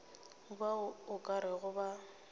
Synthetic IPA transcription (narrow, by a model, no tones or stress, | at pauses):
baʊkʼaɾɪɣʊba